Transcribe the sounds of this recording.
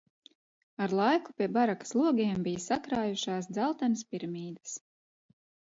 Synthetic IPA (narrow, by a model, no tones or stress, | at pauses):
aɾlˠɑjku̥pʲiɛbaɾakḁslˠuɔɡiɛmbijasakɾaːjuʃaːs̬d̪zalˠt̪anəspiɾmʲiːd̪ḁs